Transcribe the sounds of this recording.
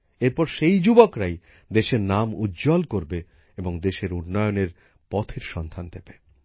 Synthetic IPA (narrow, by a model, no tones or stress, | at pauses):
eɾpɔɾʃejd͡ʑubokɾaj | d̪eʃeɾnamud̪d͡ʑɔlkoɾbe | eboŋd̪eʃeɾunːɔjoneɾ | pɔt̪ʰeɾʃɔnd̪ʱand̪ebe